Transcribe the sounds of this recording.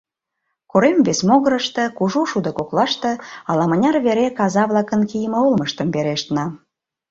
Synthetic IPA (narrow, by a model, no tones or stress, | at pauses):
koɾemvesmoɣəɾəʃt̪ekuʒuʃud̪ə̆koklɑʃt̪ĕɑlɑmənʲɑrβeɾekɑzɑβlɑkənkijəməolməʃt̪əmbeɾeʃt̪nɑ